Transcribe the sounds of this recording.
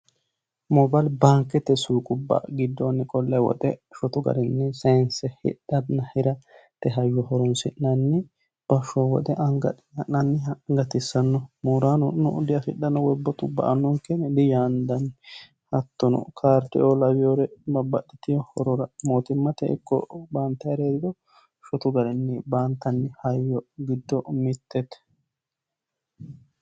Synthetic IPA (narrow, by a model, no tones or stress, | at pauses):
mɔbalbaːŋkːɛt̪ːɛsuːkʼʊbːɐ̰ɡɪd̪ːonːɪkʼɔlːɐjwɔ̰t̪ɛʃɔt̪ʊɡɐ̰ɾɛnːɛsɐnsɛhɪ̰ɗːɐd̪nɐhɪɾɐt̪ɛɦɐjːɔɦɔɾɔnsɪʔnɐnːɪ | b̥ɐʃːɔwɔ̰d̪ɛʔɐŋɡɐ | ɐʔnɐnːɪŋɡɐt̪ɪsːɐnːɔmuːɾaːnɔnɔd̪ɪjɐfɪɗːɐnːɔwɔbːɔt̪ʊbɐ̰ʔɐnːɔŋkːɛnd̪ɪjaːnd̪ɐn | hɐt̪ːɔnɔ̰kʰaːɾt̪ːɛ̰ʔolɐwɪjoɾɛbɐbːɐɗːɪt̪ɪjɔhɔɾɔɾɐmoːt̪ɪmːɐt̪ɛʔɪ̰kːɔ̰baːnt̪ːɛɐɾeːd̪ɪd̪ɔ | ʃɔt̪ʊɡɐɾɛnːɪbaːnt̪ːɐnːɪhɐjːɔɡɪd̪ːɔmɪt̪ːɛt̪